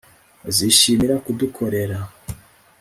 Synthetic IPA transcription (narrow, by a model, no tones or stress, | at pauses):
ziʃimiɾakudukʰo̞ɾe̞ɾa